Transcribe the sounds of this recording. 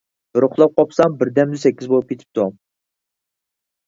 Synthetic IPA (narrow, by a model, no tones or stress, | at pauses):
bɨɾʊχlˠɑp̚qʰɑpsɑŋbɪɾd̪ɛmd̪ɪsɛkʲːizbolˠup̚kʲet̪ʰɪ̥p̚t̪ʰu